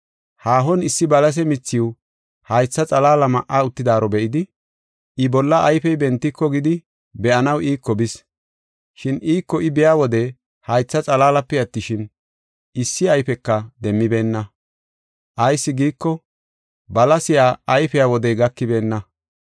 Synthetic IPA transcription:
haːɦɔnɪsːɪbɐlɐs̬ɛmɪt͡sːɪwʊ | hɐjt͡sːɐt͡sʼɐlaːlɐmɐʔaʊt̪ːɪd̪aːɾɔbɛʔɪd̪ɪ | ʔɪbɔlːɐːjfɛjbɛnt̪ːɪkːɔɡɪd̪ɪ | bɛʔɐnɐwʔiːkːɔbɪs | ʃɪniːkːɔɪbɛjaːwɔd̪ɛ | hɐjt͡sːɐt͡sʼɐlaːlɐpːɛjɐt̪ːɪʃɪn | ʔɪsːɪɐjfɛkːɐd̪ɛmːɪbe̞ːnːɐ | ʔɐjsːɪɡiːkːɔ | bɐlɐsɪjaːɐjfɛjawɔd̪ɛjɡɐkːɪbe̞ːnːɐ

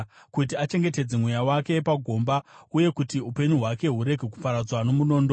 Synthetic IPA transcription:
kut̬iat͡ʃe̞ŋɡe̞te̞d͡zemwujawake̞paɡʱo̞ːmbauje̞kutiupe̞ɲuɦwake̞ɦuɾe̞ɡʱe̞ku̥paɾad͡zwano̞muno̞ːndo

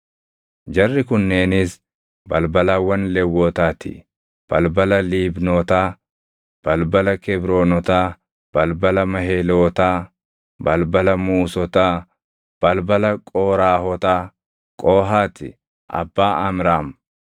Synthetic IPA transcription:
d͡ʒɐrːɪkʊnːeːnɪs | bɐlbɐlɐwɐnlɛwːɔːt̪aːt̪ɪ̰ | b̥ɐlbɐlɐliːbnoːt̪aː | b̥ɐlbɐlɐkɛbɾoːnɔt̪aː | b̥ɐlbɐlɐmɐɦeːloːt̪aː | bɐlbɐlɐmuːsɔt̪aː | b̥ɐlbɐlɐkʼoːɾaːhɔt̪aː | kʼoːɦaːt̪ɪ̰ | ʔɐ̰bːaːʔɐmɾaːm

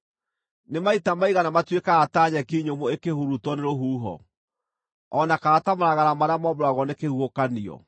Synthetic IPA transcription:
nemaitamaiɣanamatwekaːtaːɲɛkiɲomoekehuɾutɔneɾoɦuːɦɔ̰ | ɔnakaːtamaɾaɣaɾamaɾamɔmɾowaɣɔnekehuokaniɔ̰

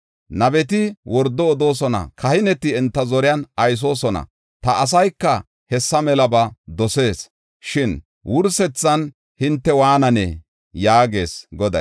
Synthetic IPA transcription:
nɐbɛt̪̬ɪwɔɾd̪ːɔːd̪o̞ːs̬ɔnɐ̰kʰɐhɪnɛt̪ɪɛnt̪ːɐzɔɾɪjɐnɐjs̬o̞ːsɔnɐ̰ | t̪ɐʔːs̬ɐjkːɐ | hɛsːɐmɛlɐbɐd̪ɔse̞ːs | ʃɪn | wʔʊɾsɛt͡sːɐn | hɪnt̪ːɛwaːnɐnɛ̰ | jaːɡe̞̰ːsɡɔd̪ɐ̰

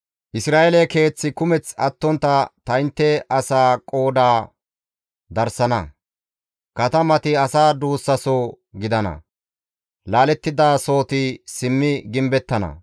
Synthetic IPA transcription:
ʔɪsɾaːʔelɛke̞ːt͡sːɪkʊmɛt͡sɐt̪ːɔnt̪ːɐt̪ɐɪnt̪ːɛʔɐsaːkʼo̞ːd̪aː | d̪ɐɾsɐnɐ̰ | kɐt̪ɐmɐt̪ɪɐsaːd̪uːsːɐsoː | ɡɪd̪ɐnɐ̰ | laːlɛt̪ːɪd̪aːso̞ːt̪ɪsɪmːɪɡɪmbɛt̪ːɐnɐ̰

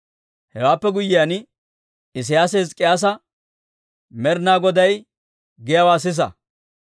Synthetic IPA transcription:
hɛwaːpːɛɡʊjːɪjan | ɪs̬ɪjaːs̬ezkʼɪjaːs̬ɐ | mɛɾnaːɡɔd̪ɐj | ɡɪjɐwaːs̬ɪs̬ɐ̰

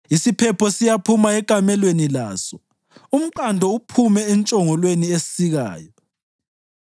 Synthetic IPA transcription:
isipʰɛpʰɔsijapʰumaɛkʼamɛlwenila̰ːsɔ | um̩ǃandʱɔupʰumɛːnt͡ʃʼɔŋɔlweniessiɣa̰ːjɔ

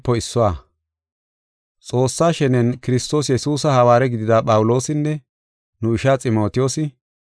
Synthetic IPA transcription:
pːɔɪsːɔwaː | t͡sʼo̞ːsːaːʃɛnɛnkɪɾɪst̪o̞ːs̬jɛsuːsɐhɐwaːɾɛɡɪd̪ɪd̪aːpʼɐwʊlo̞ːsɪnːɛ | nʊɪʃaːt͡sʼɪmo̞ːt̪ɪjo̞ːsɪ

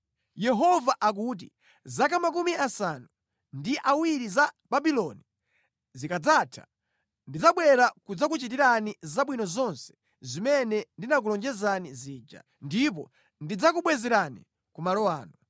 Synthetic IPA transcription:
jɛɦɔvaʔak̬ut̬ḭ | zak̬amak̬umiasanu | ndiʔawiɾiza | babilɔni | zikad͡zatʰḁ̰ | ndid͡zaɓwɛɾakud͡zak̬ut͡ʃit̬iɾanizaɓwinɔzɔnsɛ̥ | zimɛnɛndinak̬ulɔnd͡ʒɛzaniziːd͡ʒa̰ | ndip̬ɔ̰ | ndid͡zak̬uɓwɛzɛɾanḭ | kumalɔaːnu

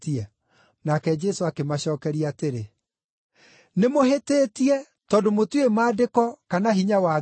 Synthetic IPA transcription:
tiɛ | nakɛd͡ʒɛsoakemaɕɔːkɛɾiateɾe | nemoɦeteːtiɛ | tɔːndomotwemaːdekɔkanaɦiɲawa

